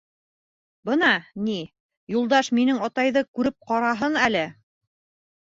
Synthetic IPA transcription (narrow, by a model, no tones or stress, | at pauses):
bɤnɑni | julˠd̪ɑʃminɘŋɑt̪ɑjðɤkʉɾɘp̚qɑɾɑɦɤnælɘ